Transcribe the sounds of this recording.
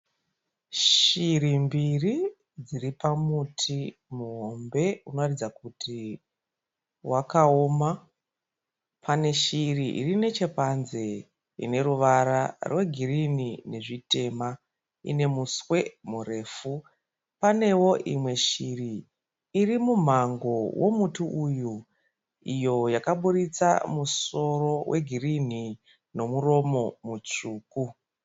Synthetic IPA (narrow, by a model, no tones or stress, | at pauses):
ʃirimbiri | d͡ziɾipamutʰimuɦo̞mbe̞uno̞ratid͡zakutʰi | wʔakao̞ma | pʰane̞ʃiriʔḭrine̞t͡ʃe̞panze | ḭne̞ɾuʋaɾarwe̞ɡʱiɾinine̞ʐite̞ma | ḭne̞muswe̞mure̞ːfu | pane̞wo̞ʔimwe̞ʃiriː | rimum̤aŋɡo̞wʔo̞mutuʔuju | ijo̞jakaɓuɾit͡sa̰muso̞ro̞wʔe̞̰ɡʱirin̤i | no̞muro̞mo̞mut͡ʃuːku